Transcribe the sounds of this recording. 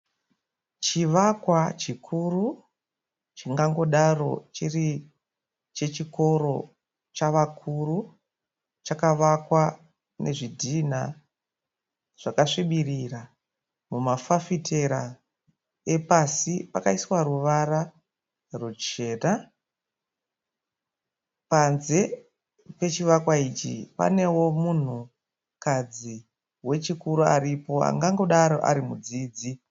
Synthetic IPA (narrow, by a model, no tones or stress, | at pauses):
t͡ʃiʋakwat͡ʃikʰuru | t͡ʃiŋɡaŋɡo̞ɗaro̞̰t͡ʃiri | t͡ʃe̞t͡ʃiko̞ɾo̞ | t͡ʃaʋakʰuru | t͡ʃakaʋakwa | nʔe̞ʐidʱina̰ | ʐ̥akaʂiɓirira | mumafafitʰe̞ɾa | e̞pasipakaiswaɾuʋara | rut͡ʃeːra | panze̞ | pe̞t͡ʃiʋakwait͡ʃḭpa̰ne̞wo̞mun̤u | kad͡zi | we̞t͡ʃikuɾua̰ripo̞a̰ŋɡaŋɡo̞ɗaɾo̞ʔa̰ɾimud͡ziːd͡zi